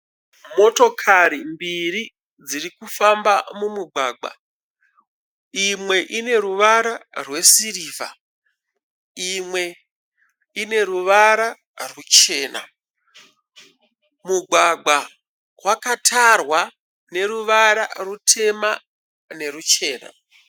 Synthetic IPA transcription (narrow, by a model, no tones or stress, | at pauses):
mo̞to̞kʰaɾimbiri | d͡zirikufambamumuɡaːɡ͡ba̰ | imwe̞ʔine̞ɾuʋaɾarwe̞siriːva̰ | imwe̞ | ine̞ruʋaɾa | rut͡ʃe̞ːna̰ | muɡʱwaɡ͡ba | wakatʰarwa | ne̞ɾuʋaɾarutʰe̞ma | ne̞rut͡ʃe̞ːna̰